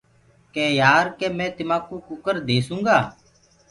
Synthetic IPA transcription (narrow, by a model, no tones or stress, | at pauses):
kɛːjaːɾkɛːmɛ̃ːt̪ɪmãːkuːkʊkəɾd̪eːsũːŋɡaː